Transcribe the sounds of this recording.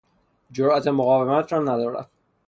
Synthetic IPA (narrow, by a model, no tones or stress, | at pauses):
d͡ʒoɾæt̪ʰemoɣɒːvemæt̪ʰɾɒːnæd̪ɒːɾæ̰d̪̥̚